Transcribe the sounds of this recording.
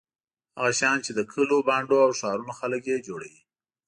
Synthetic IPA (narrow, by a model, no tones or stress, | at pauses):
haɣaʃɑnt͡ʃed̪əkʰəlobɑɳɖoawʃɑɾunoxaləkjed͡ʒoɽa̰wi